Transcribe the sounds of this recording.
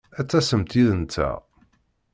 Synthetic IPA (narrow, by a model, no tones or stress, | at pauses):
æt͡sːæsəmt̪iðənt̪ːæ̰